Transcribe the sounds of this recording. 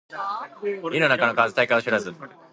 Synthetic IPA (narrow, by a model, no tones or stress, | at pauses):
inonakanokaːzɨt̪aikaoɕiɾazɨn